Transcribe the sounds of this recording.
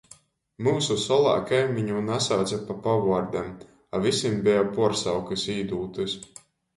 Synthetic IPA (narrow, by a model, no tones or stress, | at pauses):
muːsusɔlˠa̰ːkajmiɲuːnasawt̪sapapavaɾd̪ɛm | avisʲimbɛjapuɔɾsawkɨsiːd̪uːt̪ɨs